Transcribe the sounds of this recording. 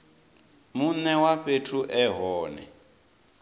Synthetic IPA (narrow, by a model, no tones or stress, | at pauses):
munɛwaɸetʰuʔɛɦɔːnɛ̰